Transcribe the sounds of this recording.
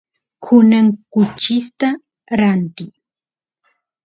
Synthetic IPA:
kʰʊnaŋkʊt͡ʃɪst̪a | ɾant̪ɪ

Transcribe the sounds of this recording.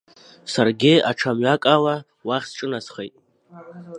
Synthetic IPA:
sarɡʲɪaʈ͡ʂʰamɥakʼala | waχʲsʈ͡ʂʼɨnasχḛjtʼ

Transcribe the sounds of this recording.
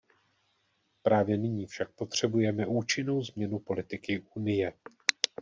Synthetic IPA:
pɾaːvjɛnɪɲiːfʃak̚po̞t̪r̝̥ɛbujɛmɛʔuːt͡ʃɪno̞wzmɲɛnupo̞lɪt̪ɪkɪʔunɪjɛ

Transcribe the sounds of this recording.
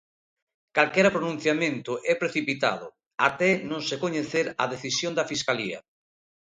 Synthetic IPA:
kalkɛɾapɾonũn̟θjamẽnt̪ʊʔɛpɾeθipit̪a̰ðʊ̰ | at̪ɛnõŋsekoɲeθeɾaðeθisjõnd̪ɐfiskaliɐ̰

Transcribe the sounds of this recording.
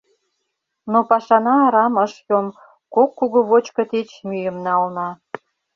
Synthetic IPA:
nopɑʃɑnɑːɾɑməʃjom | kokːuɣuβot͡ɕkɤ̆t̪et͡ɕmyjə̆mnɑlnɑ

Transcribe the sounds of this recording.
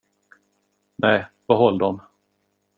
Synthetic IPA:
nɛj | vaɦɔlːd̪ɔm

